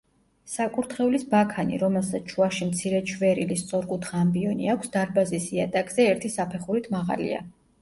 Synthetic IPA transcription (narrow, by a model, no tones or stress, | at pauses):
sakʼuɾt̪ʰχɛulisbakʰanḭɾɔmɛlˠsat̪st͡ʃʰuaʃimt̪sʰiɾɛt͡ʃʰvɛɾilist̪sʼɔɾkʼut̪ʰχaːmbiɔnḭakʷʰsd̪aɾbazisiat̪ʼakʼzɛɛɾt̪ʰisapʰɛχuɾit̪ʰmaʁa̰lḭa̰